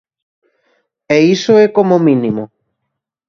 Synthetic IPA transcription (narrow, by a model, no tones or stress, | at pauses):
eisoekomomĩnimo